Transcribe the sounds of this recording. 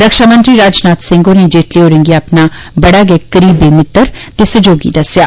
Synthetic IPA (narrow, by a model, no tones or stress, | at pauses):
ɾɐkʃaːmə̃nt̪ɾiɾaːd͡ʒnaːt̪sɪ̃ŋɡonẽd͡ʒeːʈleoːɾɪ̃ŋɡijaɐpna | bɐɽaɡekɐɾiːbemɪt̪ːəɾt̪esɐd͡ʒoːɡḭd̪ɐsjaː